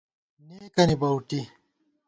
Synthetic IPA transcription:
neːkɐnibɐwʈi

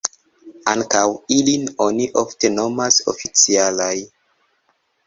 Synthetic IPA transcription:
aŋkawilinoniʔofte̞no̞maso̰fit͡sialaj

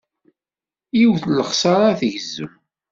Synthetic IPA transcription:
jiwθləχsɑɾˤaθʝəzːə̰m

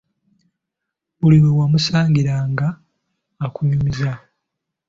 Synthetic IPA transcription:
βuliwewamusaːɲɟiɾaːŋɡaː | kuɲumiza

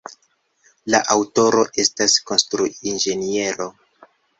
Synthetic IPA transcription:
laʔawto̞ɾo̞ʔe̞stasko̞nstɾuind͡ʒe̞nie̞ɾo̞

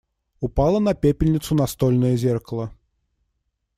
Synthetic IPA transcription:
ʊpalˠənɐpʲepʲɪlʲnʲɪt̪sʊnɐst̪olʲnɨjəzʲerkəlˠə

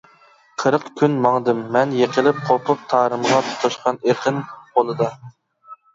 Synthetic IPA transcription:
qʰəɾəqkʲʰynmɑŋd̪ɨmːɛnjeqʰəlˠɪp̚qʰopʊp̚t̪ʰɑːɾɨmʁɑt̪ʰo̥t̪ʰɑʃqʰɑneqʰənbolˠɨd̪ɑ

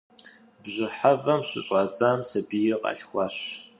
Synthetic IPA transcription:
bʑɪħavɐmɕɪ̰ɕʼɐt͡sʼaːmsɐbijɪqʼɑ̰ɬxʷɑːɕ

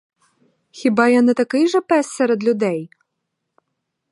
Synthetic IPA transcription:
xʲibɑjanɛt̪ɐkɪjʒɐpɛsːɛɾɛd̪lʲʊd̪ɛj

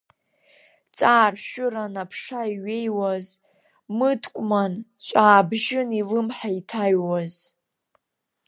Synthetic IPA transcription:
t͡sʼaːrʃᶣʊranapʰʂaiɥe̞jwaz | mɨdkʷʼmant͡ɕʷʼaːbʒɪnilɨmħaitʰaɥwaz

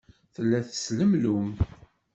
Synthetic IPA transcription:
θəlːæθə̥sləmlum

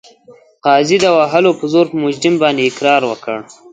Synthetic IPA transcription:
qɑːzid̪əwaɦalopəzoɾpəmʊd͡ʒɾɪmbɑnd̪eɪkɾɑːɾwəkəɽ

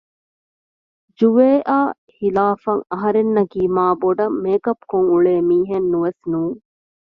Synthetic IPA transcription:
d͡ʒuʋeːʔaː | hilaːfɐŋɐɦɐɾenːɐkiːmaːboɖɐmːeːkɐpkoŋuɭeːmiːɦenːuʋesnuːŋ

